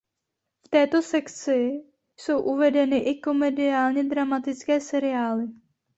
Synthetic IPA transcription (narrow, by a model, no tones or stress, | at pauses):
ft̪ɛːt̪o̞sɛkt͡sɪ | so̞wʔuvɛdɛnɪʔɪko̞mɛdɪaːlɲɛd̪ɾamat̪ɪt͡skɛːsɛɾɪaːlɪ